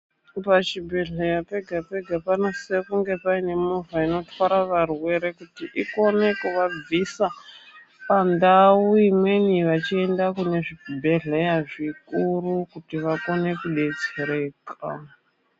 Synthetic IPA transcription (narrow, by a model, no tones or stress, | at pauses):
pat͡ʃibʱe̞ɮejape̞ɡʱape̞ɡʱapanose̞kuŋɡe̞paine̞muvaino̞twaɾaʋarwe̞ɾe̞kutiʔiko̞ne̞kuʋab͡visa | pandauimwe̞niʋat͡ʃie̞ndakune̞ʐibʱe̞ɮejaʐikurukutiʋako̞ne̞kuɗe̞t͡seɾe̞ːka̰